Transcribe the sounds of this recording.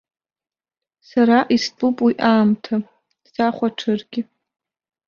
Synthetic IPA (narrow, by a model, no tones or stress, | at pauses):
saɾaʔistʼupʼwiʔaːmtʰḁ | saχʷaʈ͡ʂʰɨrɡʲɪ